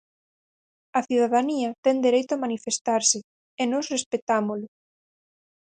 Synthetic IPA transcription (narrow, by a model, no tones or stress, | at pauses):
ɐθjuðaðaniɐt̪ɛnd̪eɾejt̪ʊamanifest̪aɾsɪ | enɔsrespet̪amolʊ